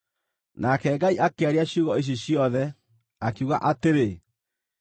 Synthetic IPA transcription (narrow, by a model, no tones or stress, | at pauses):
nakɛɡaiʔakeaɾeaɕjuɣɔeɕ̬eɕjɔðɛ | akiuɣa̰ʔateɾe